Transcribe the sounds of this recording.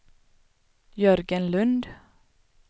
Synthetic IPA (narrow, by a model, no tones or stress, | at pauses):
jœɾɡənlɵnd̪